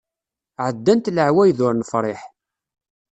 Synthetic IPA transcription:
ʕəd̪ːænt̪ləʕwæjðʊɾˤnəfɾˤɪħ

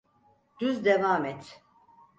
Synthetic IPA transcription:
d̪̥yzd̪evaːmɛt̪ʰ

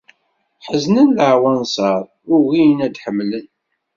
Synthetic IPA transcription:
ħəznənləʕwænsɑɾˤ | ʊɣijnæd̪ħəmːlən

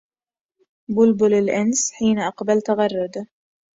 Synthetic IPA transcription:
bʊlbʊlɪlʔɪnsħiːnʔɑqbalt̪aɣɑrˤːʊd̪

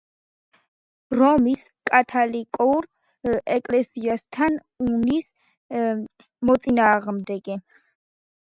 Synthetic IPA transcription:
ɾɔmiskʼat̪ʰalikʼɔɾ | ɛkʼlɛsiast̪ʰan | unis | mɔt̪sʼinaːʁmd̪ɛɡɛ

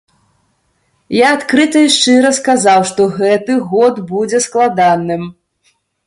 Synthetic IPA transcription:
jaːt̪kɾɨt̪ɐjʂt͡ʂɨɾɐskazawʂt̪ɔɣɛt̪ɨɣɔd̪bud͡zʲɛsklˠad̪anɨm

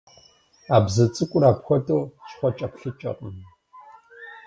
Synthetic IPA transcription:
aːbzɐt͡sʼɨkʷʼʊraːpxʷɔtʼoːɕχʷɔt͡ʃʼɐpɬɨt͡ʃʼɐ̰qʼəm

